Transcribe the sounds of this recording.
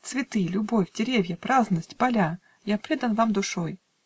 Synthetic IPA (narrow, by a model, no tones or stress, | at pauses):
t̪svʲɪt̪ɨlʲʊbo̞fʲdʲɪɾʲevʲjəpɾazənəsʲtʲpɐlʲa | japɾʲed̪ənvamd̪ʊʂoj